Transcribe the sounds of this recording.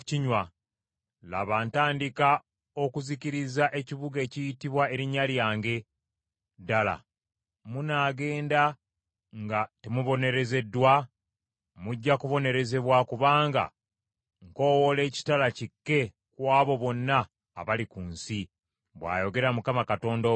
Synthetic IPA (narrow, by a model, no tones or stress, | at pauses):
iɲwa | la̰βaːntaːndika | o̞kuziciɾizaʔe̞ciβuɡe̞ːcijitiβwae̞ɾiɲːaljaːŋɡe̞ | dala̰ | munaːɡe̞ːnda | ŋɡatemuβo̞ne̞ɾe̞ze̞dːwa | muɟːakuβo̞ne̞ɾe̞ze̞βwakuβaːŋɡa̰ | ŋko̞ːwole̞ːci̥talacikːe̞ | kwaːβo̞βo̞nːa̰ː | βalikuːnsi | βwa̰ːjo̞ɡe̞ɾamukamakato̞ːndo